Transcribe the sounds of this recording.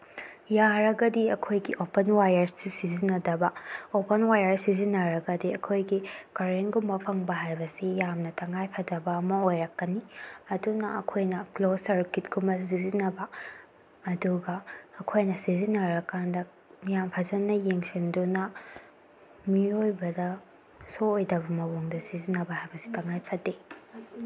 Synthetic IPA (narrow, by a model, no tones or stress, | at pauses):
jaɾɐɡɐdiɐkʰojɡiʔopɐnwajɐɾsːisizinɐdɐbɐopɐnwajɐɾsizinːɐɾɐɡɐdiɐkʰojɡikɐɾenɡumbɐpʰɐŋbɐɦajbɐsijamnɐtʰɐŋajpʰɐdɐbɐɐmɐojɾɐkːɐniɐdunɐɐkʰojnɐklosɐɾkit̚ɡumbɐsizinɐbɐː | duɡɐːkʰojnɐsizinɐɾɐkːandɐ | jampʰɐzɐnːɐjeŋsindunɐ | miojbɐdɐ | soːjdɐbɐmɐwoŋdɐsizinɐbɐhajbɐsi̥tɐŋajpʰɐde